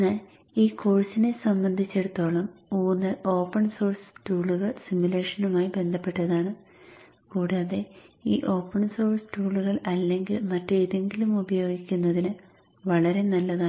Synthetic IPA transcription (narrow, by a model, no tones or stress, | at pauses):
enːaːl | iːkʰo̞ːrsine̞sɐmbɐnd̪ʱit͡ɕːe̞ɽut̪ːo̞ːɭɐmuːnːɨʔo̞ːpːɐɳso̞ːrstuːɭuɣɐɭsimjule̞ːʂɐnumaːjibe̞nd̪ʱɐpːe̞ʈːɐðaːɳɨ | kuːɽaːðe̞ḭːʔo̞ːpːɐɳso̞ːrstuːɭuɣɐɭɐlːe̞ŋɡilmɐtːeːðe̞ŋɡilumubɐjo̞ːɡikʲːunːɐðinɨ | ʋɐɭɐɾe̞nɐlːɐðaː